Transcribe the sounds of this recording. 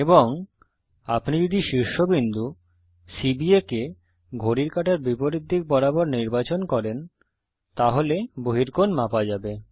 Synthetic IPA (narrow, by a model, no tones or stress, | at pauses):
eboŋ | apnid͡ʑod̪iʃiɾʃobind̪u | sibieke | ɡʱoɾiɾkaʈaɾbipoɾid̪ʱːik̚bɔɾabɔɾniɾbat͡ɕonkɔɾen | t̪aɦoleboɦiɾkonmapad͡ʑabe